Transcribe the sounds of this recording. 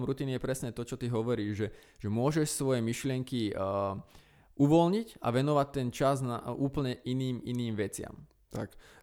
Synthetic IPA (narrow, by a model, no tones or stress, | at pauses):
mɾut̪iːnijɛpɾɛsɲɛt̪ɔt͡ʃɔt̪iɦɔʋɔɾiːʒʒɛ | ʒ̥ɛmʊɔʒɛʃsʋɔjɛmiʃlɪɛŋki | ʔuʋɔlɲica̰ʋɛnɔʋac̚t̪ɛnt͡ʃazna̰uːpl̩ɲɛʔiniːminiːmʋɛt͡sɪa̰m | t̪a̰k